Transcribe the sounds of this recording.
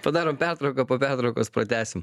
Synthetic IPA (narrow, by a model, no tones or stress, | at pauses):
pɐd̪ɑːɾoːmpʲæɾt̪ɾɐʊkɐpoːpʲæɾt̪ɾɐʊkoːspɾɐt̪ʲæːsʲɪm